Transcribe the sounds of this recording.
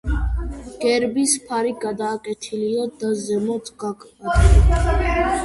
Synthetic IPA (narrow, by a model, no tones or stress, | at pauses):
ɡ̥ɛɾbispʰaɾiɡad̪aːkʼɛt̪ʰiliɔd̪azɛmɔd̪sʼɡakʰa